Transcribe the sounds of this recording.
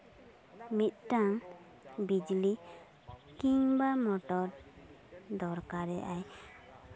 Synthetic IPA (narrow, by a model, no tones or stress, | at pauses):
mit̪̚ʈaŋ | bid͡ʒli | kiŋbamɔʈɔɾ | d̪ɔɾkaɾɛʔaj